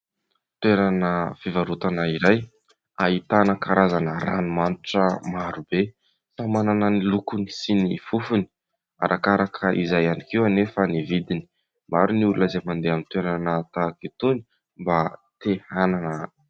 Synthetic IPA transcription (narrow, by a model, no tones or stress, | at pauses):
t̪weɾanəfivaɾut̪anaiɾaj | ait̪anəkaɾazanəɾa̰numanuʈ͡ʂəmaɾube | famananənilukuni̥sinifufuni̥ | a̰ɾʔakaɾakʰəʔizajanikewanefənivid̪ini̥ | maɾuniululəzemand̪eamint̪weɾanət̪akit̪uni̥ | mbat̪ehananə